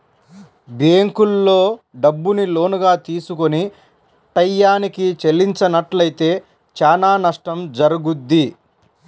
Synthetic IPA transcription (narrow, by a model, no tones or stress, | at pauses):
beːŋkulːo̞ːɖɐbːunilo̞ːnuɡaːt̪iːsukoni | ʈɐjːaːnikit͡ʃelːiɲt͡ʃɐnɐʈlɐjit̪e̞ː | t͡ʃaːnaːnɐʂʈɐmd͡ʒɐɾuɡud̪ːi